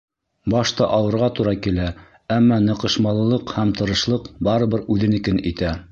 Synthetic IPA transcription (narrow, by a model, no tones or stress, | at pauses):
bɑʃt̪ɑʔɑwɤ̆ɾʁɑt̪uɾɑkilæ | æmːɑnɤ̆qɤ̆ʃmɑlˠɤ̆lˠɤqhæmt̪ɤ̆ɾɤ̆ʃlˠɤqbɑɾɤ̆βɤɾʉðɘ̆nɘ̆kɘnit̪æ